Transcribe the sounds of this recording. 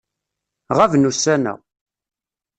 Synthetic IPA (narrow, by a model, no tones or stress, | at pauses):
ʁævnusænæ̰